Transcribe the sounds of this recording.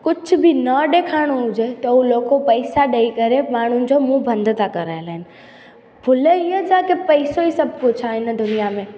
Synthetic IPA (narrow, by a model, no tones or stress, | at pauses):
kʊd͡ʑʰʱʊ̆bɪnɐɗeːkʰaːɪɽ̃oɦʊd͡ʑet̪ɐɦuloːkopɐisaɗɐikɐɾemaːɽ̤ʊnɪ̆d͡ʑomũbʱɐ̃nd̪ʱt̪ʰakɐɾaːelaɦɪnɪ̆ | bʱʊləiəd͡ʑaːkepɐisoisɐb̚ʱkʊt͡ɕʰaɦɪnəd̪ʊnijamẽː